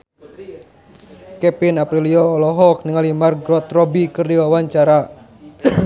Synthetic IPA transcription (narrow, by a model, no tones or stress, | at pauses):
kɛpinapɾiliɔːlɔɦɔk̚niŋalimarɡɾɔt̪rɔbikɨrdiwawaɲt͡ʃaɾa